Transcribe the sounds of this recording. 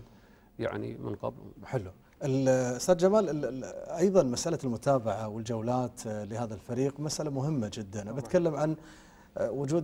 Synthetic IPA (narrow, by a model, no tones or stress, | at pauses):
ja̰ʕnḭmɪ̰nqɑ̰bħɪlːu | ʔɪlʊst̪aːd̪d͡ʒamaːlɪʔɑjðˤɑnmasʔalalmʊt̪ʰaːbaʕawɪld͡ʒawlaːt̪lɪhaːðalfaɾiːqmasʔalamʊɦɪmːad͡ʒɪd̪ːanabat̪kalːamʕan | wʊd͡ʒuːd̪